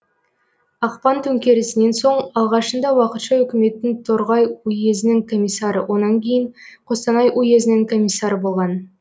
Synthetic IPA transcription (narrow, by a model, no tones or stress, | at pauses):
ɑqpɑnt̪ʰɵŋkʲe̞ɾɪsɪne̞nso̞ɴɑlˠʁɑʃənd̪ɑwɑqət̪ʃɑʏkʲɪme̞t̪ːɪŋt̪ʰoɾʁɑjuje̞zɪnɪŋkʰo̞mʲijsːɑɾə̰wʔo̞nɑŋkʲʰe̞jɪŋqʰo̞st̪ɑnɑjʔuje̞zɪnɪŋkʰo̞mʲijsːɑɾəbo̞lˠʁɑn